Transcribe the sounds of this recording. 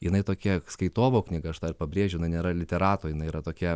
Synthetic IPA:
jɪnɐɪt̪oːkʲiɛskɐɪt̪oːʋoːknʲɪːɡɐɐʃd̪ɐrpɐbʲɾʲeːʒʲʊnɐɪnʲeːɾɐlʲɪt̪ʲɛɾɑːt̪oːjɪnɐɪiɾɐt̪oːkʲiɛ

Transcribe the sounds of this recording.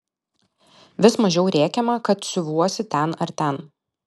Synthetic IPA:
ʋʲɪsmɐʒʲɛʊɾʲeːkʲɛmɐkɐt̪sʲʊʋuɔsʲɪt̪ʲɛnɐɾt̪ʲɛn

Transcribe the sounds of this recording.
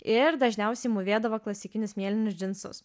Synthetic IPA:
ɪɾd̪ɐʒʲnʲɛʊsʲɛɪmʊʋʲeːd̪ɐʋɐklˠɐsʲɪkʲɪnʲʊsmʲiɛlʲɪnʲʊsʲd͡ʒʲɪnsʊ̰s

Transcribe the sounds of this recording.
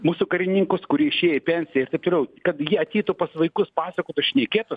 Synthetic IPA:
muːsʊkɐɾʲɪnʲɪŋkʊskʊɾʲiɛɪʃʲeːjɛipʲɛnʲsʲɪjɛɪrt̪ɐɪpt̪oːlʲɛʊkɐt̪jiɛɐt̪ʲɛːt̪ʊpɐsʋɐɪkʊspɑːsɐkoːt̪ʲʊsʃʲnʲɛkʲeːt̪ʊs

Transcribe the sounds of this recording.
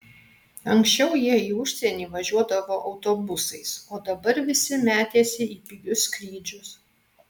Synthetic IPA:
ɐŋʲksʲt͡ʃʲɛʊjiɛiːʊʃʲsʲɛnʲiːʋɐʒʲuɔd̪ɐʋoːʔɒʊt̪oːbʊsɐɪsoːd̪ɐbɐɾʋʲɪsʲɪmʲæːt̪ʲeːsʲɪiːpʲɪɡʲʊskɾʲiːd͡ʒʲʊs

